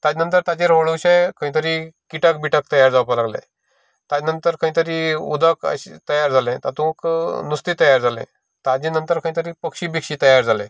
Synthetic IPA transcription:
t̪ad͡ʑnənt̪əɾt̪at͡ɕeɾoɭuwɕakə̃ɦĩt̪əɾikiʈək̚biʈək̚t̪əjaɾd͡zawpəlaɡlḛ̃ | t̪ad͡ʑnənt̪əɾkə̃ĩt̪əɾiṵd̪əkə̰ɕit̪əjaɾd͡zalɛ̃t̪at̪ũknust̪it̪əjaɾd͡zalɛ̰̃ | t̪ad͡ʑẽnənt̪əɾkə̃ĩt̪əɾiːpəkɕiːbikɕiːt̪əjaɾd͡zʱalɛ̃

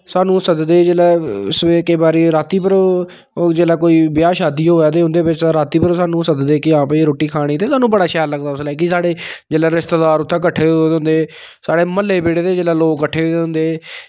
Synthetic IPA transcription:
saːnũːsəd̪d̪eːd͡ʒeːlɛːseːkəiːbaːɾiːɾaːt̪iːpəɾ | d͡ʒeːlaːkoːiːbɪjaːʃaːd̪iːɦoːjaːd̪eːɦʊ̃nd̪eːbɪt͡ʃtaɾaːt̪iːpəɾsaːnũːsəd̪d̪eːkɪãːpəɾoːʈiːkʰaːɽ̃iːt̪eːsaːnũːbəɽaːʃɛːlləɡd̪aːʊslaːiːkɪsaːɽeːd͡ʒeːlɛːɾɪst̪ad̪aːɾʊt̪ʰːãːkəʈʰːeːood̪ɦʊ̃nd̪eː | saːɽeːməlːeːbeːɽeːd̪eːd͡ʒeːlɛːloːɡkːəʈʰːeːoːeɦʊ̃nd̪eː

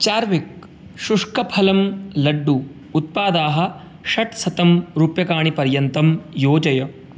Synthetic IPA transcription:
t͡ʃaːɾʋik̚ | ʃuʂkɐpʰɐlɐmlɐɖːuː | t̪̚paːd̪aːɦɐ̆ | ʃɐʈsɐt̪ɐmɾupjɐkaːɳipɐɾjɐnt̪ɐmjoːd͡ʒɐjɐ

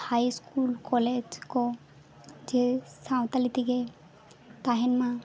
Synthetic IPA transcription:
hajskulkɔled͡ʒkɔ | d͡ʒesaw̃t̪alit̪iɡe | t̪aɦɛnma

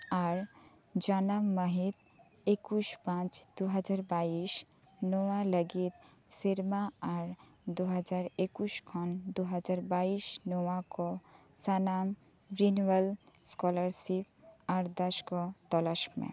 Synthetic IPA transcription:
aɾ | d͡ʒanamːəɦit̪ | ekuʃpãt͡ʃd̪̥uɦəd͡ʒaɾbaiʃ | noaləɡit̪̚ | siɾmaaɾ | d̪uɦəd͡ʒaɾekuʃkʰɔnd̪uɦəd͡ʒaɾbaiʃnowakɔ | sanam | bɾinʋəlskɔləɾsip̚aɾd̪əʃkɔt̪ɔlaʃkmḛ̃

